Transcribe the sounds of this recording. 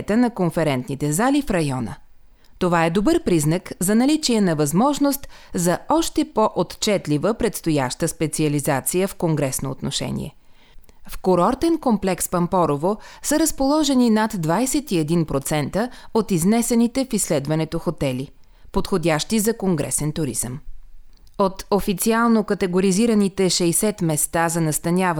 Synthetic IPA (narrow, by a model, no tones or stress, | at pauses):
t̪ənɐkonfɛɾɛnt̪nit̪ɛzalifɾɐjɔnə̰ | t̪ovaɛd̪obɤɾpɾiznəkzɐnɐlit͡ʃiɛnɐvɐzmɔʒnost̪zɐɔʃt̪ɛpoʔot̪t͡ʃɛt̪livəpɾɛt̪st̪oja̰ʃt̪əspɛt̪siɐlizat̪sijəfkoŋɡɾɛsnoot̪noʃɛ̰nʲḭɛ̰ | fkoɾɔɾt̪ɛnkomplɛkspɐmpɔɾovosəɾəspolˠɔʒɛninat̪ːvajsɛt̪iɛd̪inpɾot̪sɛnt̪əot̪iznɛsɛnit̪ɛfislɛd̪vɐnɛt̪oxot̪ɛli | pot̪xodʲaʃt̪izɐkoŋɡɾɛ̰sɛnt̪ʊɾiz̥əm | ot̪ofit̪sialˠnokɐt̪ɛɡoɾiziɾənit̪ɛʃɛjsɛt̪mɛst̪azɐnɐst̪ɐnʲav